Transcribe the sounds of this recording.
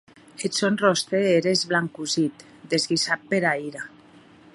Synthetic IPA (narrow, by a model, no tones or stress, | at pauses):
et̪sonrost̪eeɾezβlaŋkuzit̪ | d̪ezɣisat̪̚peɾaiɾa